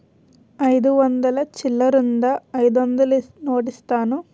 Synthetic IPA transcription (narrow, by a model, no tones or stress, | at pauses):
ɐjd̪uʋɐnd̪ɐlɐt͡ʃilːɐɾund̪ɐːjd̪ond̪ɐlinoːʈist̪aːnu